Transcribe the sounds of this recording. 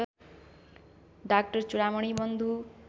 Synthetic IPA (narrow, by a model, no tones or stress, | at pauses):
ɖak̚ʈʌɾt͡ʃuɽamɔɽ̃ibʌnd̪ʱu